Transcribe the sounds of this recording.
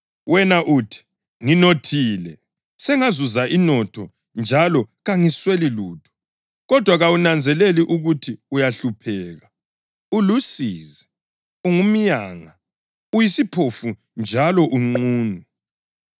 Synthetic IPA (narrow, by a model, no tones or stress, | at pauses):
wɛnaʔuːtʰi̥ | ŋinotʰiːlɛ | sɛŋazuzaʔinɔtʰɔ | nd͡ʒʱalɔɣaŋisweliluːtʰu̥ | ɣɔd̥ʱwaɣawunand͡zʱɛleliʔuɣutʰiujaɬupʰɛːɣa | ulusiːzɛ | uŋum̩jaːŋa | ujisipʰofu | nd͡ʒʱalɔʔuŋ͡ǃuːnu